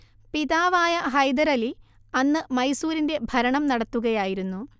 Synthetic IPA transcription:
piðaːʋaːjɐɦɐjd̪ɐɾɐli | ɐnːɨmɐjsuːɾinde̞bʱɐɾɐɳɐmnɐɽɐt̪ːuɣɐjaːjiɾunːu

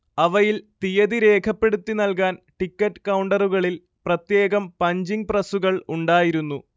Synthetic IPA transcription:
ɐʋɐjilt̪ijɐðiɾe̞ːkʰɐpːe̞ɽut̪ːinɐlkaːnʈikːɐʈːɨ̥kɐwɳɖɐruɣɐɭil | prɐt̪je̞ːɣɐmpɐɲd͡ʑiŋ̚prɐsuɣɐɭuɳɖaːjiɾunːu

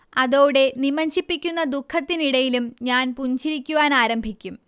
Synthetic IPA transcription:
ɐðo̞ːɽe̞nimɐɲt͡ɕipːikʲːunːɐd̪ukʰːɐt̪ːiniɽɐjilumɲaːnpuɲd͡ʑiɾikʲːuʋaːnaːɾɐmbʱikʲːum

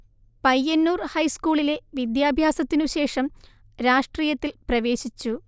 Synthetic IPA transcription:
pɐjːɐnːuːrhɐjskuːɭile̞ʋid̪jaːbʱjaːsɐt̪ːinuɕe̞ːʂɐm | ɾaːʂʈriːjɐt̪ːilprɐʋe̞ːɕit͡ɕːu

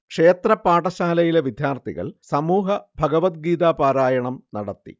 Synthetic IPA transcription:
kʂe̞ːt̪rɐpaːʈɐɕaːlɐjileʋid̪ʱjaːrt̪ḭɣɐ̰ɭsɐmuːɦɐbʱɐɡɐʋɐt̪̚ɡiːd̪aːpaːɾaːjɐɳɐmnɐɽɐt̪ːḭ

